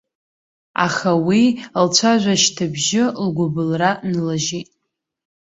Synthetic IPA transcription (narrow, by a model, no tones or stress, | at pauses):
a̰χawilt͡ɕʷʰaʒʷaʃtʰabʒɪlɡʷʊbɨlranlaʒetʼ